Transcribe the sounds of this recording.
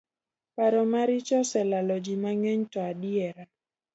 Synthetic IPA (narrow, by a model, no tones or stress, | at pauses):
paɾɔmaɾit͡ʃɔsɛlalɔd͡ʒimaŋɛɲtɔaɗiɛɾa